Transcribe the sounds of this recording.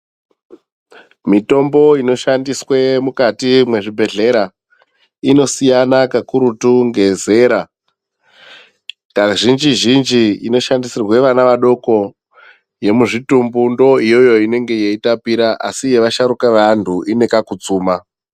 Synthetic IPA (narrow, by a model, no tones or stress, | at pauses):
mito̞mbo̞ino̞ʃandiswemukatimwe̞ʐibʱe̞ɮe̞ɾa | ino̞sijanakakuɾutuŋɡe̞ze̞ɾa | taʐind͡ʒiʒind͡ʒiino̞ʃandisirwe̞ʋanaʋaɗo̞ko̞ | je̞muʐitumbundo̞ijo̞jo̞ine̞ŋɡe̞jeitapiɾaʔasije̞ʋaʃaɾukaʋantʰuʔine̞kakut͡suːma